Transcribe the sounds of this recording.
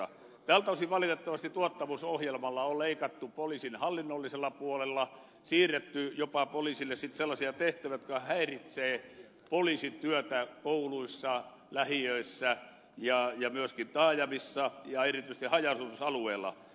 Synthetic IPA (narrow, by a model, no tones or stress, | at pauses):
ɑ̰ | t̪æːlt̪ɑʋosiʋʋɑlit̪et̪ːɑʋɑst̪it̪uɑt̪ːɑmusohjelmɑlːɑolleikɑt̪ːupolisinhɑlːinːolːiselːɑpuolelːɑ | siːret̪ːyjopɑpolisilːessit̪selːɑsiɑt̪eht̪æʋæjot̪kɑhæirit̪seː | polisit̪yøt̪ækouluisːɑ | læhiøisːæ | jɑjɑmyøskint̪ɑːjɑmisːɑjɑerit̪yises̆t̪ihɑjɑsusɑlueːlːˑɑ̰